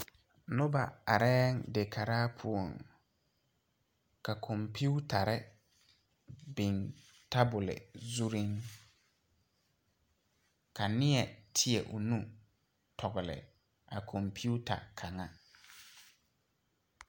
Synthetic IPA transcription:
nʊ˦ba˨a˨ɾɛː˦ŋdɪ˨kʰa˨ɾaː˦pʰʊ˦˨o˨ŋ | ka˨kʰɔ˨mpʰu˦tʰa˨ɾɪ˦ | bɪ˨n | ta˦bʊ˨lɪ̰˨zu˦ɾɪ˦ŋ | ka˨nɪ˦ɛ˨tʰɪ˦ɛ˨ʔʊ˨nũ˦ | tʰɔ˨ɣʊ˨lɪ̰˨ | ʔa˨kʰɔ˨mpʰi˦u˦ta̰˨kʰa˨ŋa˦

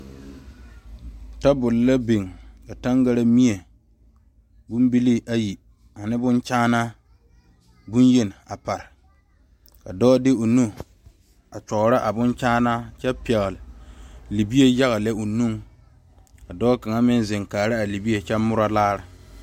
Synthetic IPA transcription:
ta˦bʊ˨lɪ˨la˦be˨ŋka˨ta˦ŋɡa˦ɾa˦mi˦e˨ | bʊ˦mbi˦li˦ʔa˦ji˨ | a˨nɪ˦bʊ˦nt͡ʃaː˦na˦ | bʊ˦nje˦nɪ˨a˨pa˨ɾɪ˨ | ka˨dɔː˦dɪ˦o˨nu˦ | a˨t͡ʃɔ˨ɣɾa˦ʔa˨bʊ˦nt͡ʃaː˦na˦t͡ʃɛ˦pɛ˨ɣɪ˨lɪ˨li˨bi˦e˦ja˦ɣa˨lɛ˦o˨nu˦ŋ | ka˨dɔː˦ka˨ŋa˦mɪ˦nzɪ˨ŋkaː˨ɾa˦a˨li˨bi˦e˨t͡ʃɛ˦mʊ˦ɾa˦laː˦ɾɪ˨

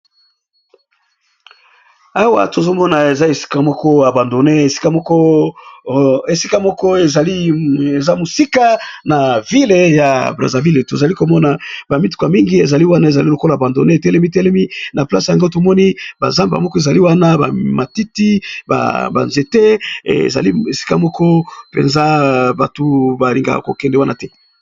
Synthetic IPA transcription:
a˦wa̰˨to˨zo˦mɔ˦na˨e˨za˦e˨si̥˦ka˨mɔ˦kɔ˦ja˨ba˨ndo˨ne˦e˨si̥˦ka˦mɔ˦kɔ˦ | e˨si˦ka˦mɔ˦kɔ˦e˨za˨li˦e˨za˦mo˨si˦ka˦na˨vi˦le˨ja˨bʁa̰˨za˨vi˦le˨to˨za˨li˦ko˨mɔ˦na˨ba˨mi˦tu̥˨kwa˨mi˦ŋɡi˦e˨za˨li˦wa˦na˦e˨za˨li˦lo˨ko˦la˨ba˨ndo̰˨ne˦e˨tɛ˦lɛ˦mi˦tɛ˦lɛ˦mi˦na˨pla̰˦sja˨ŋɡo˦to˨mɔ˦ni˦ba̰˨za˦mba̰˨mɔ˦kɔ˦e˨za˨li˦wa˦na˦ba̰˨ma˨ti˦ti˦ba̰˨ba̰˨nze˨tɛ̰˦˨za̰˨li˦e˨si̥˦ka̰˦mɔ˦kɔ˦pḛ˨nza˦ba̰˨to˨ba˨li˨ŋɡa̰˨ko̰˨kɛ˨ndɛ˨wa˦nʔa̰˦tɛ˦

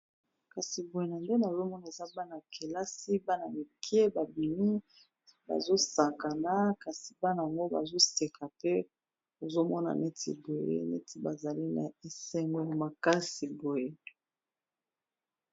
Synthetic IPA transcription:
ka˨si˨bo˨je˨na˨nde˦na˨zo˦mɔ˦na˨e˨za˦ba˦na˨kʰe˨la˦si˦ba˦na˨mi˨kje˦ba˨bi˨mi˦ | ba̰˨zo˦sa˨ka˨na˦ka˨si̥˨ba˦na˨a˨ŋɡo˦ba̰˨zo˦se˨kʰa˨tɛ˦ | o˨zo˦mɔ˦na̰˨ne˦tḭ˨bo˨jḛ˦nḛ˦tʰi˨ba˨za˨li˦na̰˨e˨sɛ˦ŋɡwɔ˦a˨ma˨ka˦si˨bo˨je˦

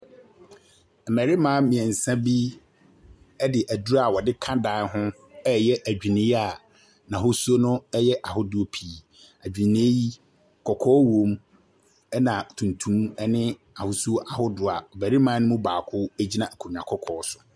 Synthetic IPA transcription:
m̩˨mæ˨ɾi˦mãː˦mĩ˨ɛ˨n̩˨sã˦bi˦ | ɛ˦dɪ˨ʔæ˨du˦a˨wɔ˨dɪ˦kʰã˦dã˨˦nɦʊ̃˦ | ɛ˦jɛ˦ʔæ˨d͡ʑᶣi˨nĩ˦a˨ | nã˨ɦʊ˦su˦o˦nʊ̃˦ɛ˦jɛ˦ʔa˨hʊ˦dʊ˦o˦pʰi˨ | æ˨d͡ʑᶣi˨nĩ˦e˦ji˦˨ | kʰɔ˨kʰɔː˦wõ˨˦m | ɛ˦nã˨tʰũ˨ntʰũ˦mɛ˦nɪ̃˦ | a˨hʊ˦su˦o˦ʔa˨hʊ˦dʊ˨a˨m̩˨mæ˨ɾi˦mãː˦nʊ̃˦mʊ̃˦baː˨kʰʊ˦æ˦d͡ʑi˦nã˦˨kʰu˨ɲã˨kʰɔ˦kʰɔː˨˦sʊ̥˨

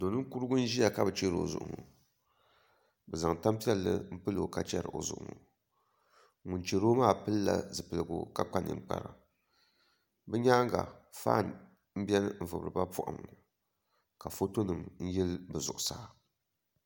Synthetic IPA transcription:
do˨nɨ˦ku˦ɾɨ˦ɡʊ˦n̩˦ʒi˦ja˨ka˦bɨ˨t͡ʃe˦ɾo̰˨zʊ̰˨ʔʊ̰˨ŋo˨ | bɛ˨za˨ŋta˦mpi˦ɛ˦lːɨ̰˦m̩˦pɨ˦lo˨ka˦t͡ʃɛ˦ɾɨ̰˨ʔo̰˨zʊ̰˨ʔʊ̰˨ŋɔ̰˨ | ŋu˨nt͡ʃe˨ɾoː˦maː˦˨pɨ˦lːa̰˨zɨ˨pɨ˨lɨ˨ɡʊ̰˨ka˦k͡pa˦nɨ̰˨ŋ͡m̩˦k͡pa̰˨ɾa̰˨ | bɨ˦ɲaː˦ŋ˦ɡa̰˨fa̰ː˦˨n | m̩˦bɛ˦n˦m̩˨vɨ˨bɨ˨ɾɨ˨ba˦pu˦ʔa̰˨m˨ | ka˨fo˦to˦nɨ˨mn̩˦jɛ˦lbɨ˨zʊ˨ʔʊ˨saː˦˨

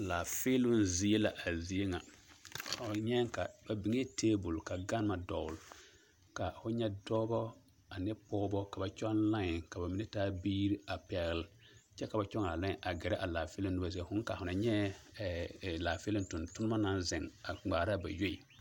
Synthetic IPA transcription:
laː˨fɪ˦lʊ˦nzi˨e˦la˨ʔa˨zi˨je˦ŋa̰˨ | ʊ˨ɲɛ˦ŋ˦ka˨ba˨bi˨ŋ˦e˦tʰeː˦bʊ˨lka˨ɡa˦n˦ma˨dɔ˨l | ka˨fʊ˦ɲɛ˦dɔː˦bɔ˦ | a˨nɛ˦pɔː˦bɔ˦ka˨ba˨t͡ʃɔ˦nla˦ɲɪ˨ka˨ba˨mɪ˦nɛ˦taː˦biː˦ɾi˦a˨pɛ˨ɣl | t͡ʃɛ˦ka˨ba˨t͡ʃɔ˦ŋa˨la˦ɲɪ̃˨ʔa˨ɡɛ˨ɾɛ˦ʔa˨laː˨fɪ˦lʊ˦nʊ˦ba˨zi˨˦e˦˨fʊ˦ŋ˦ka˨hʊ˨na˨ɲɛ˦˨ | laː˨fɪ˦lʊ̃˦ntʊ˨ntʊ˦nʊ˦ma˦na˦nzɪ˨ŋa˨ŋ͡maː˨ɾa˦ba̰˨jo˦i˨

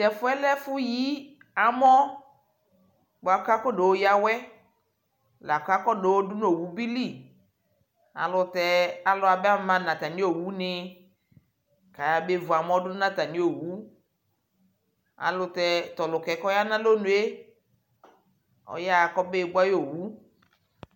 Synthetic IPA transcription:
tɛ˨fʊ˦ɛ˦lɛ˦fʊ˦ji˦ | a˨mɔ˦ | bo˨a˨ka˦kɔ˦de˨wo˦ja˦wɛ˦ | la˨ka˦kɔ˦de˨wo˦dʊ˦no˨wu˦bi˦li˦˨ | a̰˨lʊ˨tɛ˨a˨lʊ˨˦a˨bɛ˦a˦m˨mã˨nã˨t̪a˨nĩ˦o˨wu˦nɪ˨˦ | ka˨ja˨be˦vʊ˨a˨mɔ̃˦dʊ˦nã˦ta˨nĩ˦o˨wu˦ | a̰˨lʊ˨t̪ɛ˨t̪ɔ˨lʊ˨kɛ˨kɔ˦ja˦nã˦lo˦nũ˨˦e˦ | ɔ̰˦ja˦˨kɔ˦be˦˨ba˦jo˨wu˦

